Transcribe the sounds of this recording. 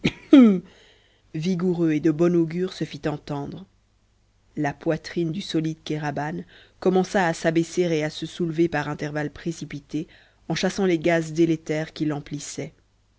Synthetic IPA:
viɡuʁøed̪əbɔnoɡʲyʁsəfit̪ɑ̃t̪ɑ̃d̪ʁ | lapwat̪χind̪ysɔlid̪kaʁaban | kɔmɑ̃saːsabeseʁeasəsulvepaʁɛ̃t̪ɛʁvalpχesipit̪e | ɑ̃ʃasɑ̃leɡazd̪ɛlet̪ɛːʁkʲilɑ̃plisɛ

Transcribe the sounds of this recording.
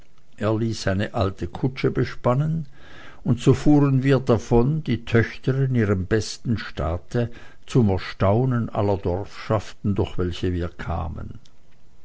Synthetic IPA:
ʔeːɐliːsaɪnəʔaltʰəkʰʊt͡ʃəbəʃpanən | ʊntsoːfuːʁənviːɐdafɔndiːtʰœçtəʁɪniːʁəmbɛstn̩ʃta̰ːtə | t͡sʊmɛɐʃtaʊnənʔa̰lːɐdɔʁfʃaftn̩dʊɐxv̥ɛlçəviːɐkʰa̰ːmə̰n

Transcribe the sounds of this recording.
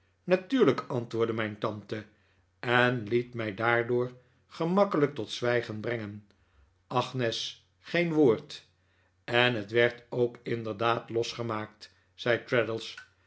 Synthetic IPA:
natyːɹləkɑntʋʊːɹdəmɛjntɑntə | ɛnlitmɛjdaːɹdʊːɹ | χəmɑkələk̚tɔtsʋɛjχənbrɛŋən | ʔɑχnɛs | χejnʋoːɹt | ɛnɦətʋɛɹtowkɪndəɹdaːtlɔsχəmaːk̚t | sɛjtɹɛdəlˠs

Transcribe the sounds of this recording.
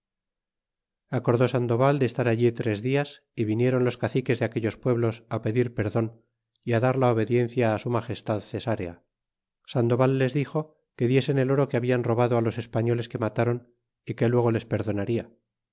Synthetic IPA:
ako̞ɾðo̞sand̪o̞β̞ald̪est̪aɾaʎit̪ɾe̞zðias | iβinje̞ɾo̞nlo̞skaθike̞zðeake̞ʎo̞spwe̞βlo̞sape̞ðiɾpe̞ɾðo̞n | iaðaɾlaoβe̞ðje̞n̟θjaːsumaχe̞st̪aðθe̞saɾea̰ | sand̪o̞βalːe̞zðixo̞ | ke̞ðje̞se̞ne̞lo̞ɾo̞keaβianro̞βaðoalo̞se̞spaɲo̞le̞ske̞mat̪aɾo̞n | ike̞lwe̞ɣ̞o̞le̞spe̞ɾðo̞naɾia

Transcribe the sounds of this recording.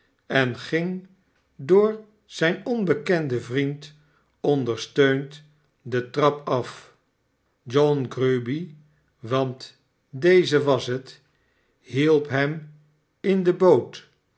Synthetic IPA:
ɛnχɪŋ | dʊːɹ | z̥ɛjnɔnbəkɛndəvrint | ɔndəɹstøɥnt | dətrɑpɑf | d͡ʒɔnɡrøbi | ʋɑnt | dejzəʋɑsɦət | ɦilˠpɦɛm | ɪndəbowt

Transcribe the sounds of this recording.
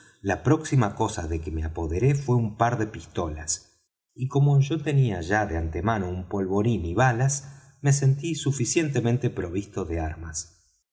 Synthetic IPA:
lapɾo̞ksimako̞saðe̞kemeapo̞ðeɾe̞fwe̞umpaɾðe̞pist̪o̞las | iko̞mo̞ʒo̞t̪e̞niaʒaðeant̪emano̞umpo̞lβo̞ɾiniβ̞alas | me̞s̬e̞nt̪isufisje̞nt̪e̞mẽnt̪e̞pɾo̞β̞ist̪o̞ðeaɾmas

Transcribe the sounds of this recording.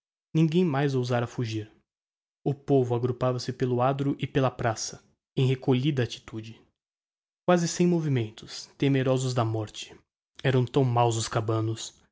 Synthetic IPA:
nĩŋɡẽj̃majzowzaɾɐfuʒiɾ | ʊpovʊaɡɾupavɐsɪpelʊad̪ɾʊʔɪpelɐpɾasɐ | ẽj̃ɦekoʎid̪ɐat͡ʃi̥t̪ud͡ʒɪ | kwazɪsẽj̃movimẽnt̪ʊ̥st̪emeɾɔzʊzd̪ɐmɔɾt͡ʃɪ̥ | ɛɾɐ̃w̃t̪ɐ̃w̃mawzʊskabɐ̃nʊs

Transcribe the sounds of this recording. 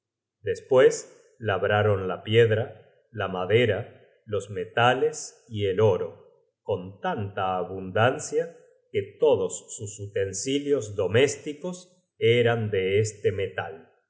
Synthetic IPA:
d̪espwes | laβɾaɾo̞nlapjeðɾa | lamaðeɾa | lo̞zmet̪ale̞s | ielo̞ɾo | ko̞nt̪ant̪aːβund̪ansja | ket̪o̞ðosːusut̪e̞nsiljo̞zðo̞mest̪ikos | eɾand̪eest̪emet̪a̰l

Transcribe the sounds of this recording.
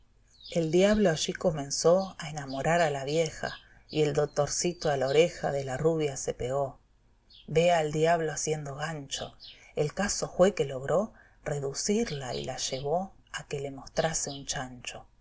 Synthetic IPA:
e̞ld̪jaβloaʒiko̞mẽ̞nso̞aenamo̞ɾaɾalaβje̞xa̰ | ie̞ld̪o̞k̚t̪o̞ɾsit̪oalaoɾexa̰ðelaruβjasepeɣo̞ | βeaːld̪jaβloasje̞nd̪o̞ɣant͡ʃo̞̰ | elkaso̞fwe̞ke̞lo̞ɣɾo̞ | re̞ðusiɾlaḭlaʒe̞β̞o̞ | ake̞lemo̞st̪ɾaseunt͡ʃant͡ʃo̞

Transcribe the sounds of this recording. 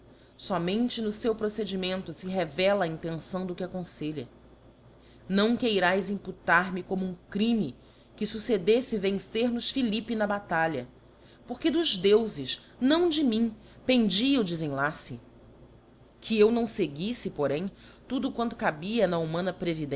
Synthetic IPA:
sɔmẽnt͡ʃɪnʊsewpɾosed͡ʒimẽnt̪ʊsɪɦevɛlɐːĩnt̪ẽnsɐ̃w̃d̪ʊkɪakõseʎɐ | nɐ̃w̃kejɾajzĩmput̪aɾmɪkõmʊũkɾĩmi | kɪsused̪esɪvẽŋseɾnʊʃfilipinɐbat̪aʎɐ | poχkɪd̪ʊʒd̪ewzɪʃ | nɐ̃w̃d͡ʒɪmĩ | pẽnd͡ʒiɐʊd͡ʒɪzẽlasɪ | kʰɪewnɐ̃w̃seɡisɪpoɾẽj̃ | t̪ud̪ʊkwɐ̃nt̪ʊ̥kabiɐnɐumɐ̃nɐpɾevid̪ẽ

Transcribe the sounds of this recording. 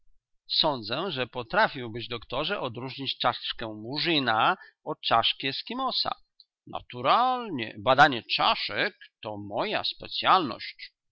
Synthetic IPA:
sɔnd̪zɛʐɛpɔt̪ɾafʲiwbɘd͡ʑd̪ɔkt̪ɔʐɛʔɔd̪ɾuʐɲit͡ɕt͡ʂaʂkɛ̃muʐina | ɔt͡ʂaʂkʲɛskʲimɔsa̰ | na̰t̪uɾalɲɛ̰bad̪aɲɛt͡ʂaʂɛkt̪ɔmɔja̰spɛt̪sʲjalnɔ̰ɕt͡ɕ

